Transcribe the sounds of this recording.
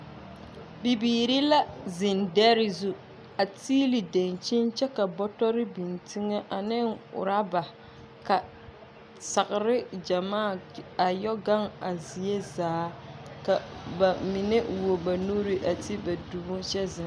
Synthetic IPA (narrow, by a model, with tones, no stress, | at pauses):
bi˨biː˨ɾi˦la˦zɪ˨ndɛ˦ɾɪ˦zu˦ | a˨tiː˦li˨de˨nt͡ʃi˦nt͡ʃɛ˦ka˨bɔ˦tɔ˦ɾɪ˦bi˨ntʰi˦ŋa˦ʔa˨nɪ˦ŋʊ̰˨ɾa˦ba˨ | ka˨ | sa˨kɪ˨ɾɪ˦d͡ʒa˨maː˦˨a˨jɔ˦ɡa˦ŋa˨zi˨e˦zaː˨˦ka˨ba˨mi˨ne˦wo˨ba˨nu˦ɾi˦ʔa˨ti˦ba˨du˨bʊ˦ʃɛ˦zɪ˨